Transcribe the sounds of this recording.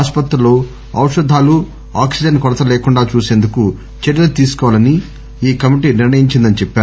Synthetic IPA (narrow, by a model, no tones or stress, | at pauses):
aːspɐt̪ɾɐlo̞ː | ɐwʂɐd̪ʱaːlu | a̰ːksid͡ʒɐnkɔɽɐt̪ɐleːkuɳɖaːt͡ʃuːse̞ːnd̪uku | t͡ʃɛɽjɐlɐt̪iːsu̥kɔːʋalɐni | iːkɐmiʈiːniɾɳɐjiɲt͡ʃind̪ɐnit͡ʃɛpːaː